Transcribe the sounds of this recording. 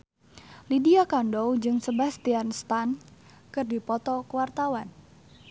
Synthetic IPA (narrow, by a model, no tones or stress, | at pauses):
lidiakandɔwd͡ʒɨŋsəbast̪ianst̪an | kɨrdipɔt̪ɔkəwart̪awan